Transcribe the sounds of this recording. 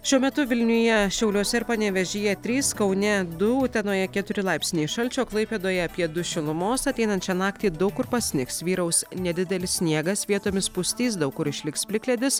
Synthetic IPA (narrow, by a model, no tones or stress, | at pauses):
ʃʲuɔmʲɛt̪ʊʋʲɪlʲnʲʊjɛʃʲɛʊlʲoːsʲɛɪɾpɐnʲɛʋʲɛʒʲiːjɛt̪ʲɾʲiːskɒʊnʲɛd̪ʊt̪ʲɛnoːjɛkʲɛt̪ʊɾʲɪlˠɑɪpʲsʲnʲeːʃɐlʲt͡ʃʲoːklˠɐɪpʲeːd̪oːjɛɐpʲiɛd̪ʊʃʲɪlˠʊmoːsɐt̪ʲɛɪnɐnt͡ʃʲɛnɑːk̚t̪ʲiːd̪ɐʊkʊɾpɐsʲnʲɪksʋʲiːɾɐʊsnʲɛd̪ʲɪd̪ʲɛlʲɪssʲnʲiɛɡɐsʋʲiɛt̪oːmʲɪspʊsʲt̪ʲiːs̬d̪ɐʊkːʊɾɪʃʲlʲɪkspʲlʲɪkʲlʲɛd̪ʲɪs